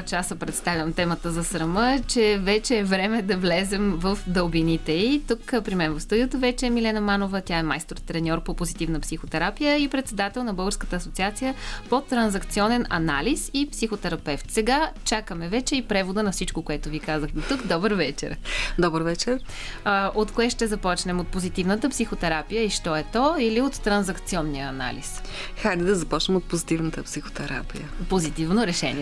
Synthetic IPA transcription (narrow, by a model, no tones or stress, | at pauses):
t͡ʃasəpɾɛt̪st̪avʲjɐmt̪ɛmət̪əzɐsɾɐmət͡ʃɛvɛt͡ʃɛːvɾɛmɛd̪ɐvlɛzɛmvəfd̪əlˠbinit̪ɛit̪ukpɾimɛnvəfst̪ud̪ʲiət̪əvɛt͡ʃɛːmilɛnəmanovət̪ʲaɛmajst̪ɾot̪ɾɛnʲɔɾpopozit̪ivnəpsixot̪ɛɾapijəipɾɛt̪sɛd̪at̪ɛlˠnɐbɤlˠɡəɾskə̥t̪əːsot̪siat̪sijəpot̪ɾɐnzɐkt̪siɔnɛnɐ̰na̰lisipsixot̪ɛɾɐpɛft̪sɛɡat͡ʃakəmɛvɛt͡ʃɛipɾɛvod̪ənɐfsit͡ʃkokoɛt̪ʊvikazəxd̪ot̪ukd̪ɔbəɾvɛt͡ʃɛ̰ɾd̪ɔbəɾvɛt͡ʃɛɾ | ʔot̪koɛʃt̪ɛzɐpɔt͡ʃnɛmot̪̚pozit̪ivnət̪əpsixot̪ɛɾapijəiʃt̪ɔɛt̪ɔiliot̪ːɾɐnzɐkt̪siɔnːijəːna̰lḭsxad̪ɛd̪ɐzɐpɔt͡ʃnɛmot̪̚pozit̪ivnət̪əpsixo̥t̪ɛɾa̰pḭjəpozit̪ivnoɾɛʃɛ̰niɛ